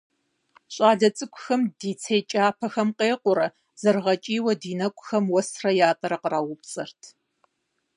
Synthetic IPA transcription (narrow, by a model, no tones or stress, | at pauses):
ɕʼaːɮɐt͡sʼɨkʷʰʼʊxɐmdiːt͡sʰejt͡ʃʼaːpʰɐxɐmqeːqʷʊɾɐ | z̥ɐrʁɐt͡ʃʼiːwɐdiːnɐkʷʼʊxɐmwɐsrɐjaːpʼɐɾɐqəraːwʊpsʼɨrtʰ